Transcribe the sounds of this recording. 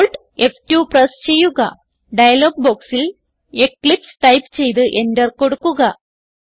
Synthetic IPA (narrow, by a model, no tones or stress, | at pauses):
oɭʈ | eftuprɐst͡ɕe̞jːuɣɐ̰ | ɖɐjɐloːɡ̚bo̞ːksil | e̞kːɭipsʈɐjpːt͡ɕe̞jt̪̬ɨʔe̞ndɐrko̞ɽukːuɣɐ